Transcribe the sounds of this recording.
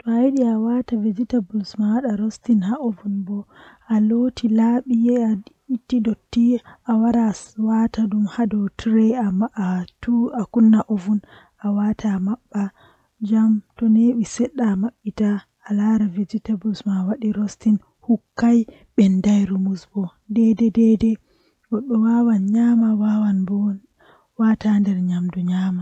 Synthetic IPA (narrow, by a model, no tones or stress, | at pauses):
tɔajɗiawataved͡ʒitabulsmawaɗaɾostinhaovunbɔʔalotʰilaɓijɛa | itːidotːiawaɾawatadumhadɔtʰɾɛaːtuakunːaʔovun | ʔawatʰamaɓːa | d͡ʒamtɔneɓisɛɗːamaɓːitaː | laɾavid͡ʒitabusmawaɗiɾostin | hukːaj | ɓɛndajɾumusbɔ | dɛdɛdɛdɛ | wɔɗɔwawanɲamawawanbɔ | watandɛɾɲamduɲaːma